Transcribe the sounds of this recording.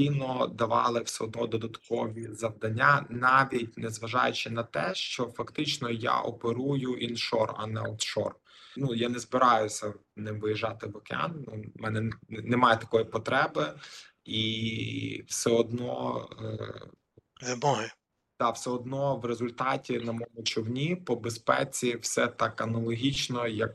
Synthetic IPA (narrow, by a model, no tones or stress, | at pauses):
inɔd̪ɐʋɑ̰lˠɪwsɛɔd̪nɔd̪ɔd̪ɐt̪kɔʋʲizɐʋd̪ɐnʲːanɑʋʲit̚ʲnɛzʋɐʒɑ̰jʊt͡ʃɪnɐt̪ɛʃt͡ʃɔfɐkt̪ɪt͡ʃnɔja̰ʔɔpeɾujʊʔinʃɔrɐ̰nɛɔfʃɔ̰r | nujanɛzbɪɾɑjʊsʲɐnɪmʋɪjiʒɑt̪ɪʋɔkeɑ̰nnumɛnɛnemɑjɛt̪ɐkɔjipɔt̪ɾɛbɪ | i | wsɛɔd̪nɔ̰ | nɛbɔjɛ | d̪̥ɑwsɛɔd̪nɔʋrezʊlʲt̪ɑtʲinɐmɔmʊt͡ʃɔwnʲipɔbespɛ̰t͡sʲiwsɛt̪ɑkɐnɐlˠɔɦʲit͡ʃnɔjɐk̚